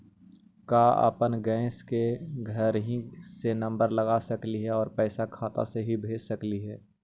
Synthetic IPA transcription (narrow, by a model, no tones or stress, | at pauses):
kaa̰pənɡɛ̃ːskeɡʱəɾɦĩsenɐ̃mbəɾləɡasəkliɦɛɔːɾpɛːsakʰaːt̪ã̰seɦibʱeːd͡ʒsəkliɦɛː